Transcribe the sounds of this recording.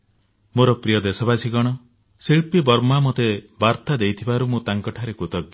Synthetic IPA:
moɾɔpɾijɔd̪esɔbasiɡɔɽ̃ɔ | siɭpibɔɾmamot̪ebaɾt̪ad̪ejt̪ʰibaɾumũt̪aŋkɔʈʰaɾekut̪ɔɡji

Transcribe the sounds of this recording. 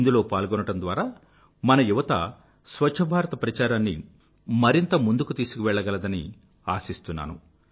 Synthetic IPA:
ind̪ulo̞ːpaːlɡɔnɐʈɐnd̪ʋaːɾaː | mɐnɐjuʋɐt̪ɐ̰ | sʋɐt͡ʃʂʰɐbʱaːɾɐt̪ɐpɾɐt͡ʃaːɾaːnːḭ | mɐɾint̪ɐmund̪ukut̪iːsu̥kiʋɛɭːɐɡɐlɐd̪ɐni | aːsist̪unːa̰ːnṵ

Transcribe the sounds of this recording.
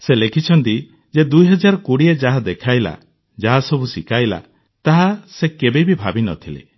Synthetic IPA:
selekʰit͡ʃʰɔnt̪i | d͡ʒed̪ujɦɔd͡ʒaɾɔkuɽied͡ʒaɦad̪ekʰajla̰ | d͡ʒaɦasɔbusikajla̰ | t̪aɦasekebebibʱabinɔ̰t̪ʰilḛ

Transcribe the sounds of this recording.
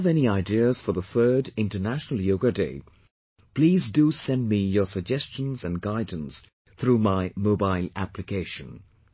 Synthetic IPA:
vɛniaɪdiəz̥fə˞ðəθɜ˞dɪ̃ntə˞næʃnəl̩ˠjoʊɡədeɪ | pʰl̥iːzdusɛ̃ndmijə˞səɡ̚d͡ʒɛst͡ʃə̃nzɨ̃nɡaɪd̃ⁿn̩s | θɹumaɪmoʊbaɪlˠæplɨkʰeɪʃə̃n

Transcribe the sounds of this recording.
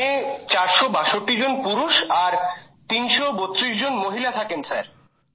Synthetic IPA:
et͡ɕaɾʃobaʃoʈːid͡ʑonpuɾuʃaɾ | t̪inʃobot̪ːɾiʃd͡ʑonmoɦilat̪ʰakensaɾ

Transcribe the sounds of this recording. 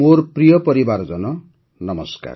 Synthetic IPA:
orprijʌpʌɾibard͡zʌnʌ | nʌmʌska̰r

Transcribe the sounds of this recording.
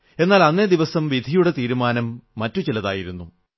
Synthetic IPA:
e̞nːaːlɐnːe̞d̪iʋɐsɐmʋid̪ʱijuɽe̞t̪iːɾumaːnɐmːɐtːut͡ɕilɐða̰ːjiɾunːu

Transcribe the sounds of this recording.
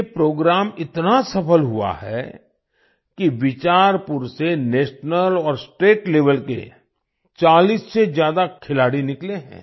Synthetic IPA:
epɾoːɡɾaːmɪt̪nasɐpʰəlɦua̰ɦɛ̰ | kiʋɪt͡ʃaːɾpʊɾseneːʃnəlɔːɾsʈeːʈleːʋəlkḛ | t͡ʃaːliːsːed͡ʒjaːd̪akʰɪlaːɽinɪkleɦɛ̰̃ː

